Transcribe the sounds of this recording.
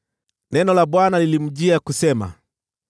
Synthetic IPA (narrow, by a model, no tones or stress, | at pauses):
nɛnɔlaɓwanalilim̩ʄiakusɛma̰